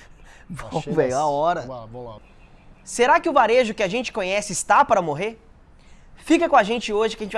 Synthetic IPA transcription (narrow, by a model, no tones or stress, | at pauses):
võvejaɔɾɐvõla̰ | seɾakɪʊvaɾeʒʊkɪaʒẽnt͡ʃɪ̥kõɲɛsɪːst̪apaɾɐmoɦeɾ | fikɐkõaʒẽnt͡ʃɪoʒɪkɪɐʒẽt͡ʃɪva